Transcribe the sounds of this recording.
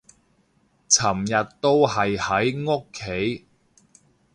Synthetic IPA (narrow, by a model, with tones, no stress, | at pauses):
t͡sʰɐ˨˩mjɐ˨tt̪o˥whɐ˨jhɐ˨˥jŋo˥kʰːe˨˥j